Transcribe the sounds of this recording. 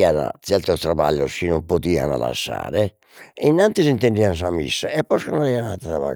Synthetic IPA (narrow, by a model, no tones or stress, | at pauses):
ana̰t̪sjɛlt̪ot̪ɾaba̰ʎːosinompot̪iːa̰na̰la̰sːa̰ːɾɪ | inːant̪isint̪eɳɖians̬amḭsːaɛpːɔskanaɾianat̪aaβa̰